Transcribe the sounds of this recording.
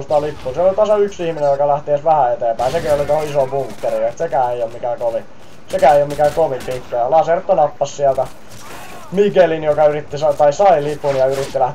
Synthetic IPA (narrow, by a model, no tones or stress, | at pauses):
st̪ɑlipːuːsielolit̪ɑsɑyksihminejokɑlæht̪iesʋæhæet̪eːmpæisekiolit̪ohoisobuŋkːeriet̪sekæːeijomikækoʋi | sekæːeijomikækoʋipik̪ːɑjɑlɑsert̪ːonɑpːɑssiælt̪æ | mikelinjokɑyrit̪ːisɑt̪ɑisɑilipunjɑyrit̪ːilæh̪